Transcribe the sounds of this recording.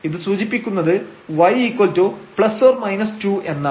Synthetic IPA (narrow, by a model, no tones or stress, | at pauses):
iðɨsuːd͡ʑipːikʲːunːɐðɨʋɐjiːkːoltoːpɭɐsfoːrmɐjnɐstuːe̞nːɐ